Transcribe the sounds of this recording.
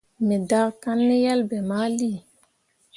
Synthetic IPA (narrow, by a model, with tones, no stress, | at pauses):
mɛ˨da˦ka˦nːe˦ja˦lbɛ˨ma˦li˦˨